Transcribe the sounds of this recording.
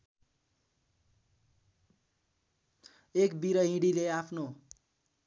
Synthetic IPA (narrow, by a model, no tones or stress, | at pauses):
ekbiɾʌɦĩɽileapʰno